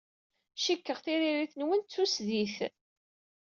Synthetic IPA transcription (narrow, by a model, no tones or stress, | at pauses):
ʃikːəʁθiɾiɾiθnwənt͡sːusðiθ